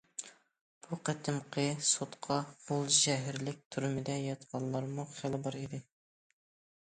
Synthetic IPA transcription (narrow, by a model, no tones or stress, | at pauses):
b̥uqæt̪ʰɪmqʰəsot̪qʰɑbolˠʒɛɦɪɾlɪk̚ʲt̪ʰuɾɪmɪd̪ɛjɑt̪qʰɑlˠːɑɾmuχælbɑɾid̪ɪ